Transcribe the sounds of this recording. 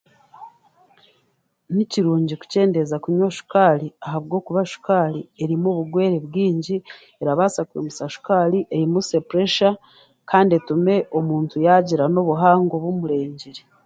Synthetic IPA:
niciɾuːɲɟiku̥ce̞ːnde̞zakuɲoʃu̥kaːliaɦaβɡo̞ːkuβaʃu̥kaːlie̞ɾimuβuɡwe̞ːɾeβɡiːɲɟi | eɾaβaːsakuɾemusaʃu̥kaliʔeɾimusepɾeʃa | kaːndietume̞ʔomuːntujaɟiɾano̞βuɦaːŋɡoβumuɾe̞ːɲɟiɾe

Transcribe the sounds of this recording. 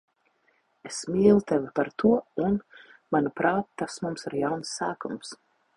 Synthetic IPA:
esmiːlˠut̪ɛvipaɾt̪uɔunmanupɾaːt̪ːasmumsaɾjawnsːæːkums

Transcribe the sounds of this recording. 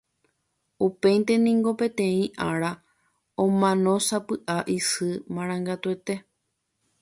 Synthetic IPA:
upe̞jnt̪e̞nĩŋɡo̞pẽ̞t̪ẽ̞ĩʔaɾa | õmãnõ̞sapɨʔaʔisɨmãɾ̃ãŋɡat̪ue̞t̪e̞

